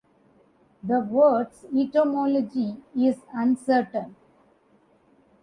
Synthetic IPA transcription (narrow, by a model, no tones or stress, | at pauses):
d̪əʋəːɖsiʈomɔːlɔd͡ʒiɪzʌ̃nsəɾʈə̃n